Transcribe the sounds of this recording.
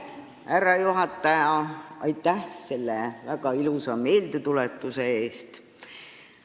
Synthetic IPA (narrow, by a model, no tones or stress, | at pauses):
æɾːɑjuɦɑt̪ːˑɑjɑɑjt̪ːˑæhse̞lːevæɡɑilusɑme̞ːld̪et̪ulet̪ːˑuse̞e̞ːst̪